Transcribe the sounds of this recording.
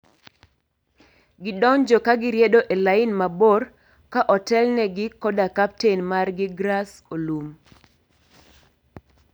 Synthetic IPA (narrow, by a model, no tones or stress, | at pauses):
ɡɪdɔnd͡ʒɔkaɡɪɾjɛdoʔelaɪnmabɔr | kaʔɔtɛlnɛɡɪkɔdakap̚tenmarɡɪɡɾas | olum